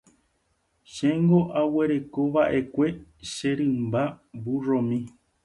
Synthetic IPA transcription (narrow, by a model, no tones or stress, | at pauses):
ʃẽŋɡo̞ʔawe̞ɾe̞ko̞βaʔe̞kʷe̞ʃeɾɨ̃mbaburõmĩ